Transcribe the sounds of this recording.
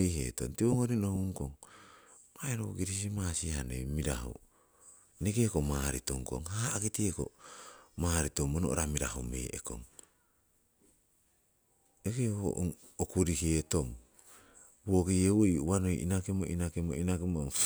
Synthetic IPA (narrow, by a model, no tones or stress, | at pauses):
ihḛːto̰mtioŋoɾinohuŋkoŋ | maeɾoɡiɾis̬imasihanḛjmiɾa̰ɦo̰ | neɡeko̞maɾitoŋko̰ŋhaːɡitieko̰maːɾitomonoʔɾamiɾa̰homḛjʔḛko̰ŋ | ekeho̰ʔ | okuɾihetom | woɡejeweiuwanojḭnakemo̰ʔinakemo̰inakemoŋ